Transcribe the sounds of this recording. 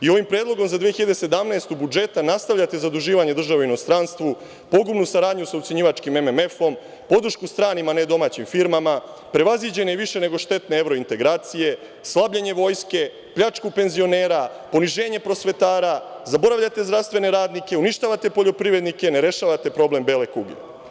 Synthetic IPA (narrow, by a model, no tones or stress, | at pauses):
io̞ʋimpɾe̞ːd̪lˠo̞ɡo̞mzad̪ʋiexiʎad̪ese̞d̪amnaest̪ubud͡ʒe̞t̪anast̪aʋʎʲat̪e̞zad̪uʒiːʋaɲe̞d̪r̩ʒaʋoino̞st̪ɾanst̪ʋu | po̞ɡumnusaɾaːd̪ɲusaut̪seɲiːʋat͡ʃkime̞meme̞fo̞m | po̞d̪ɾ̩ʃkust̪ɾaːnimaned̪o̞maːt͡ɕimfiɾmama | pɾe̞ʋazid͡ʑe̞neiʋiʃe̞ne̞ɡo̞ʃt̪e̞t̪ne̞eʋɾo̞int̪e̞ɡɾaːt̪sije̞ | slˠabʎeɲe̞ʋo̞ːjske̞ | pʎat͡ʃkupe̞nzio̞ne̞ːɾa | po̞niʒe̞ːɲe̞pɾo̞sʋe̞t̪aːɾazabo̞ɾaʋʎat̪e̞zd̪ɾast̪ʋe̞ne̞ɾaːd̪nike̞uniʃt̪aːʋat̪e̞po̞ʎo̞pɾiʋɾe̞d̪nike̞ne̞ɾe̞ʃaːʋat̪e̞pɾo̞ble̞mbele̞kuɡe